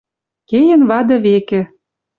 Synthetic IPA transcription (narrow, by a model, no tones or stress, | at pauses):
kejə̆nβɑd̪ɤ̆βekĕ